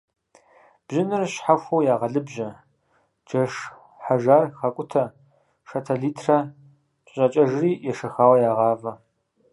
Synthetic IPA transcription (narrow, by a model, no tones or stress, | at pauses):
b̥ʒɪnɨrɕħaxʷɐwjaːʁɐɮɨbʒɐ | d͡ʒɐʂ | ħaʒaːrxɐkʷʼʊtʰɐ | ʃɐtʰɐɮiːtʰrɐ | ɕʼɐt͡ʃʼɐʒriːjɛʂɐxaːwɐjaːʁɑːvɐ